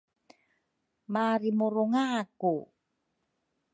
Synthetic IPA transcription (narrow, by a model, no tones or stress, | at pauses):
maɾimuɾuŋaku